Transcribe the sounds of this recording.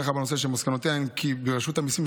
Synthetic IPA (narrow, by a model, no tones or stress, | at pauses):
aχabenos̬eʃ̬emaskanot̪eaimkʰibeʁaʃut̪amisim